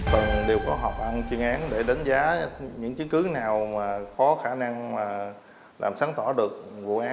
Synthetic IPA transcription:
t̪ɨ˨˩ŋɗe˨˩wkɔ˨˦ɦɔ˨˩p̚ʔa˧nt͡ɕwi˧əŋʔaː˨˦nɗe˧˩ɗa˨˦ŋzaː˨˦ɲɨ̰˧˥ŋt͡ɕɨ˨˦nkɨ˨˦naː˨˩wmaː˨˩kɔ˨˦xaː˧˩na˧ŋmaː˨˩ | la̰ː˨˩msaː˨˦ŋt̪ɔ˧˩ɗɨ˨˩ək̚vṵ˧˨ʔaː˨˦

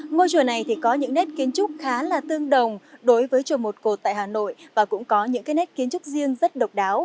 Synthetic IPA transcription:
ŋo˧jt͡ɕu˨˩na˨˩jt̪ʰi˨˩kɔ˨˦ɲɨ̰˧˥ŋnɛ˦˥t̚ki˨˦ənt͡ɕʊ˦˥k͡p̚xaː˨˦laː˨˩t̪ɨ˧əŋɗə˨˩wŋ͡mɗo˨˦jvəː˨˦jt͡ɕo˨˩mo˨˩t̚ko˨˩t̚t̪a̰ː˧˨haː˨˩no̰˧˨jvaː˨˩kʊ̰˧˥ŋ͡mkɔ˨˦ɲɨ̰˧˥ŋkaː˨˦jnɛ˦˥t̚ki˨˦ənt͡ɕʊ˦˥k͡p̚zi˧əŋzə˦˥t̚ɗə˨˩wk͡p̚ɗaː˨˦w

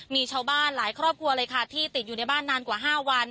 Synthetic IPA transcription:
miː˧t͡ɕʰaː˧wbaː˥˩nlaː˩˦jkʰɾɔː˥˩p̚kʰu˧ɐlɤː˧jkʰa˥˩t̪ʰiː˥˩t̪i˨˩juː˨˩na˧jbaː˥˩nːaː˧nkwaː˨˩ɦaː˥˩wa˧n

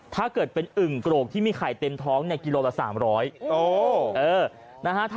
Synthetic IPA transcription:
t̪ʰaː˥˩kɤː˨˩t̪̚pe˧nʔɯ˨˩ŋkɾoː˨˩k̚t̪ʰiː˥˩miː˧kʰaː˨˩jt̪e˧mt̪ʰɔː˦˥ŋni˥˩ki˧loː˧la˨˩sa̰ː˩˦mɾɔː˦˥jʔoː˧ʔɤː˧ | na˦˥kʰa˦˥t̪ʰ

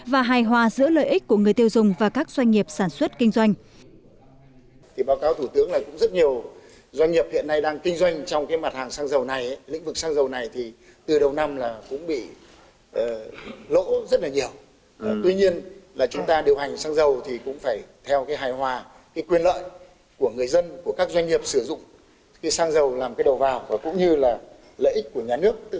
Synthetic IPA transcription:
vaː˨˩ɦaː˨˩jɦwaː˨˩zɨ̰˧˥ələ̰ː˧˨jʔi˦˥k̟̚ku˧˩əŋɨ˨˩əjt̪i˧wzʊ˨˩ŋ͡mvaː˨˩kaː˦˥k̚z̥wa˧jŋ̟ːi˨˩əp̚saː˧˩nswə˦˥t̚kï˧ŋ̟zwa˧jŋ̟ | t̪ʰi˨˩ɓaː˨˦wkaː˨˦wt̪ʰu˧˩t̪ɨ˨˦əŋlaː˨˩kʊ̰˧˥ŋ͡mzə˦˥t̚ɲi˨˩əw | zwa˧jŋ̟ːi˨˩əp̚hḭ˧˨ənːa˧jɗaː˧ŋkï˧ŋzwa˧jŋ̟t͡ɕɔ˧wŋ͡mkaː˨˦jma˨˩t̚haː˨˩ŋsaː˧ŋzə˨˩wna˨˩jlḭ̟̈˧˥vɨ˨˩k̚saː˧ŋzə˨˩wna˨˩jt̪ʰi˨˩ | t̪ɨ˨˩ɗə˨˩wna˧mlaː˨˩kʊ̰˧˥ŋ͡mɓḭ˧˨ | ʔəː˨˩lo̰˧˥zə˦˥t̚laː˨˩ɲi˨˩əw | t̪wi˧ɲi˧ənlaː˨˩t͡ɕʊ˨˦ŋ͡mt̪aː˧ɗi˨˩əwha˨˩jŋ̟saː˧ŋzə˨˩wt̪ʰi˨˩kʊ̰˧˥ŋ͡mfaː˧˩jt̪ʰɛ˧wkaː˨˦jɦaː˨˩jhwaː˨˩ | kaː˨˦jkwi˧ənlə̰ː˧˨j | ku˧˩əŋɨ˨˩əjzə˧nku˧˩əkaː˦˥k̚zwa˧ŋɲi˨˩əp̚sɨ˧˩zʊ̰˧˨ŋ͡m | kaː˨˦jsaː˧ŋzə˨˩wlaː˨˩mkaː˨˦jɗə˨˩wvaː˨˩wvaː˨˩kʊ̰˧˥ŋ͡mɲɨ˧laː˨˩ | lə̰ː˧˨jʔi˦˥k̟̚ku˧˩əɲaː˨˩nɨ˦˥ək̚t̪

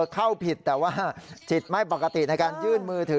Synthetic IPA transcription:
kʰa˥˩wpʰi˨˩t̪ːɛː˨˩waː˥˩˥t͡ɕʰi˨˩t̪̚ma˥˩jpa˨˩kːa˧t̪i˨˩na˧jkaː˧njɯː˥˩nmɯː˧t̪ʰɯ˨˩˦

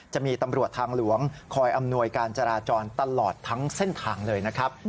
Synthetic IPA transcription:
t͡ɕa˨˩miː˧t̪a˧mɾu˨˩ət̪ʰːaː˧ŋlu˩˦əŋkʰɔː˧jʔa˧mnu˧əjkaː˧nt͡ɕa˧ɾaː˧t͡ɕɔː˧nt̪a˧lɔː˨˩t̪ʰːa˦˥ŋse˥˩nt̪ʰaː˧ŋlɤː˧jna˦˥kʰɾa˦˥p̚

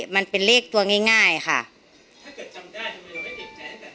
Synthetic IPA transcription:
ma˧˥˨npe˨nleː˥˩k̚t̪u˧ɐŋa˧˩˨ŋaː˥˩jxʰa̰˧˥˩

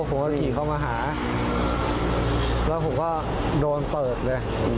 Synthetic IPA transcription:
pʰo˩˦ŋkaː˥˩kʰiː˨˩kʰa˥˩wmaː˧ɦaː˩˦˧ | lɛː˦˥wpʰo˩˦kɔː˥˩ | doː˧npɤː˨˩t̪̚lɤː˧j

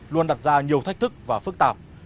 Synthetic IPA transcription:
lu˧ənɗa˨˩t̚zaː˧ɲi˨˩əwt̪ʰk̟̚t̪ʰɨ˦˥k̚vaː˨˩fɨ˦˥k̚t̪aː˨˩p̚

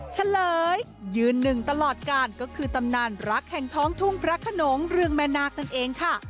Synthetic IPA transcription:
t͡ɕʰa˧˥lɤː˨˩˦jː | ɯː˧nːɯ˨˩ŋt̪a˧lɔː˨˩t̪̚kaː˧nkɔː˥˩kʰɯː˧t̪a˧mnaː˧nɾa˦˥k̚hɛ˨˩ŋt̪ʰɔː˦˥ŋt̪ʰu˥˩ŋpʰɾa˦˥kʰa˧no˨˩˦ŋɾɯ˧əŋmɛː˦˥naː˦˥˩k̚na˥˩nʔeː˧ŋkʰa˥˩

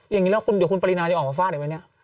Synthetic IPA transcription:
ja˨ŋiː˦lɛː˦˥˩kʰu˧ndi˨˩˦ku˧npa˧li˧naː˧˩t͡ɕa˧˩ʔɔː˨˩a˧faː˥˩˨pa˧ni˥ɐʔ

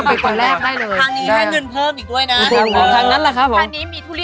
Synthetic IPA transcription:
pe˧nko˧nɾɛː˥˩k̚daː˥˩jlɤː˧jʰa˧ŋniː˦˧˦da˥˩˨jŋɤ˧npʰɤː˥˩mʔiː˨˩k̚u˥˩əjna˦˧˩t̪ʰuː˧˩˧kʰɔː˨˩˦t̪ʰaː˦˥ŋna˦˥nla˧˩kʰa˦˥p̚ʰːoː˩˧˦mːʰ˦˥˧

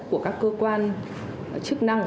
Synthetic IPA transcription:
ku˧˩əkaː˦˥kːəː˧kwaː˧n | t͡ɕɨ˦˥k̚na˧ŋ

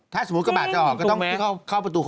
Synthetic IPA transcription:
t̪ʰaː˥˩sɔ˧˨m˨˦˥kɔ˥˩ɓaː˨˩t̪̚t͡ɕa˧˩ʔɔː˨˩kɔː˧˩˧t̪ɔ˥˩ŋkʰa˥˩wpa˧t̪uː˧k

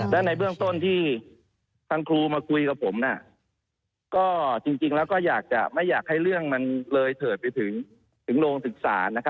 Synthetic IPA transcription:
lɛ˦˥na˧jbɯ˥˩əŋt̪o˥˩nt̪ʰiː˥˩ | t̪ʰa˧ŋkʰluː˧maː˧kʰu˧jka˨˩pʰːo˩˦mna˧˩ | kɔː˥˩t͡ɕi˧ŋt͡ɕi˧ŋlɛː˦˥wkɔː˥˩jaː˨˩k̚t͡ɕa˨˩ma˥˩jːaː˨˩k̚ha˥˩jɾɯ˥˩əŋma˧nlɤː˧jt̪ʰɤː˨˩t̪̚pa˧jt̪ʰɯ˩˦ŋ | t̪ʰɯ˩˦ŋɾoː˧ŋsɯ˨˩k̚sa̰ː˩˦na˦˥kʰa˦˥

